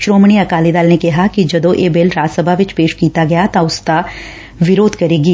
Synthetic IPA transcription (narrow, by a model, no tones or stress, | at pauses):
ʃɾoːmɽ̃iɐkaːlid̪aːlnekɐɦakid͡ʒɐd̪õʔeːbeːlɾaːsəbʱaʋɪt͡ʃpeːʃkiːt̪aɡɐjat̪aʊska | ʋɪɾoːd̪kɐɾeːɡiː